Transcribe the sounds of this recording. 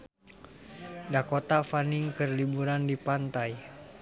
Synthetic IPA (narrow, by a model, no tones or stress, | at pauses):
dakot̪afaniŋkərlibuɾandipant̪aj